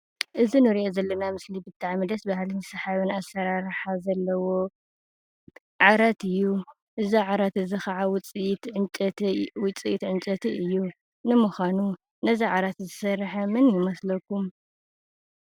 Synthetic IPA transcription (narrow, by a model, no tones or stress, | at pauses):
ʔɨzinɨɾiʔozɐlːɐnamɨslibɨt̪ʰːaʕmɨd̪ɐsbɐhlɨnɨsɐħaβɨnasːɐɾaɾħazɐlːɐwo̞ | ʕaɾat̪ʰɨjːu | ʔɨziʕaɾat̪ɨzɨxɐʕawt͡s̪ʼt͡ʃʼwʊt͡sʼiit̪ʕɨnt͡ʃʼɐt̪ʰiɨjːu | nɨmuxʷanu | nɐziʕaɾat̪zɨsɐɾħamɨnjɪmɐslɐkːum